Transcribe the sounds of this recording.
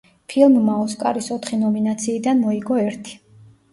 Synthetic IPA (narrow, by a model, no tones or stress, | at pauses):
pʰilˠmːaɔskʼa̰ɾisɔt̪ʰχinɔminat̪sʰiːd̪anmɔiɡɔɛɾt̪ʰi̥